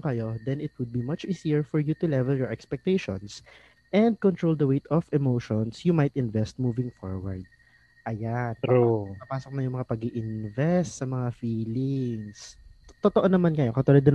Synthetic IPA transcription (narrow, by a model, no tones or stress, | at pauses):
kɐjo̞d̪ɛnɪt̪̚wʊd̪̚bimɐt͡ʃʔisiɛɹfɔɹjut̪ʊlɛvɛljɔɹʔɛkspɛk̚t̪eʃo̰ns | ʔɛ̃nd̪̚kɔnt̪ɹowld̪ɐwejt̪ɔfɛmowʃonsjumajt̪ɪnvɛst̪̚muːvɪŋfo̰ɹwɐ̰ɹd̪̚ | ʔɐjanpɐpaːsok̚nɐjʊŋmɐŋapɐɡɪʔɪnvɛst̪sɐmɐŋafiːlɪŋst̪ot̪oʔonɐmankɐjo̞kont̪ʊlod̪ɐn